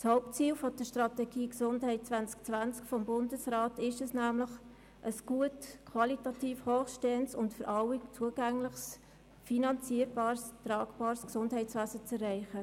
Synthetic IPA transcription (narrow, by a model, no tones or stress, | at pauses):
shoʊptt͡siːlfɔd̥əʃtrɑtɛɡiːksʊndhɛɪt̚t͡svænt͡sk̚t͡svænt͡skfɔmbʊndəsraːtɪʃɛsnæːmləχ | ʔəsɡ̥uətkʰwɑlitɑtiːfhɔːχʃtɛːənsʊntfʏɾʔɑwit͡suəɡæŋləχs | finɑnt͡siːəɾbɑːɾstɾɑːɡb̥ɑːɾsksʊndɦɛɪtt͡sʋæːsət͡sɛrːɛɪχə